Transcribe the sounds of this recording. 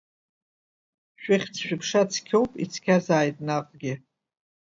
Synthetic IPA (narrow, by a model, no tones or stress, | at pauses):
ʃᶣɪχʲt͡sʰʃᶣɪpʰʂat͡sʰkʲʰowpʼit͡sʰkʲʰazaːjtʼnaqʼɡʲɪ